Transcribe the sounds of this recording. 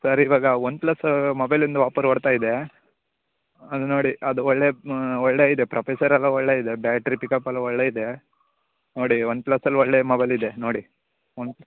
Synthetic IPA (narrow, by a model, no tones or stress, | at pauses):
sɐɾiʋaːɡɐond̪plɐsmɐbɐjlind̪uʋaːpɐɾɔɽt̪aːjid̪e̞ | ɐd̪unoːɽiʔɐd̪uɔɭːe̞ɔɭːeid̪e̞pɾʔɐpeːsɐɾɐlːɐɔɭːeid̪ebjaːʈɾipikɐpːɐlːɐɔɭːeid̪e̞ | noːɽiond̪̚plɐsːɐlːɔɭːemɐbɐjlid̪enoːɽi | ond̪